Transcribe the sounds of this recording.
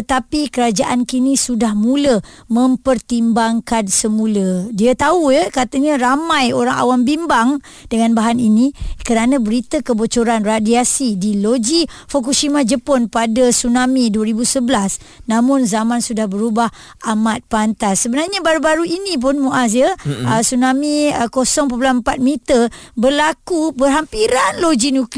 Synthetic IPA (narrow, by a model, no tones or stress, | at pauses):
t̪ət̪apikəɾad͡ʒaʔankinĩsudahmũləmə̃mpərt̪imbaŋkansəmũlədiat̪aujəkat̪əɲə̃ɾamãjoɾaŋa̰wambimbaŋ | d̥əŋanbaɦaninikəɾanãbəɾit̪əkəbot͡ʃoɾanradiasidilod͡ʒifokuʃimad͡ʒəpɔnpadasunãmiduəɾibusəbəlas | nãmʊ̃nzamãnsudahbəɾubah | amat̪̚pant̪asːəbənarɲabaɾubaɾuinĩp̬ʊnmuʔas̬jəəsunãmiəkosɔŋpopulammpat̪̚mit̪ərbərlakubərɦampiɾanlod͡ʒinũkl